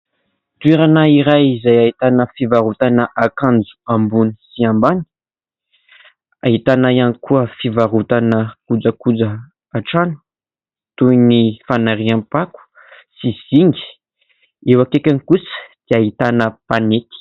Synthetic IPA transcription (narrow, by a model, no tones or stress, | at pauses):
t̪ueɾanaiɾajizajaɦit̪anəfivaɾut̪anəʔakãnd͡zu̥ambuni̥siambani̥ | a̰ɦit̪anajanikuəfivaɾut̪anəkud͡zəkud͡zə | aʈ͡ʂanu̥ | t̪ujnifanaɾiampaku̥ | siz̥iŋɡi̥ | ewakekʲanikusə̥d̪̥eaɦit̪anəpanet̪i̥